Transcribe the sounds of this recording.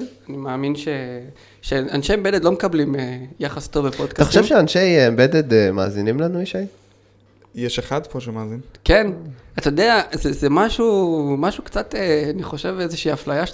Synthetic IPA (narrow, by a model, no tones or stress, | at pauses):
animaːminʃe | ʃeanʃejmbe̞ded̪lo̞mekablimejaχast̪ovbepodkataχoʃemvʃeanʃejembed̪ed̪ema̰ːzinimlanuiʃej | jeʃeχad̪poʃemaːzinke̞nat̪ajod̪eazezemaʃumaʃukt͡sat̪eaniχo̞ʃe̞vezeʃiːaflajaʃ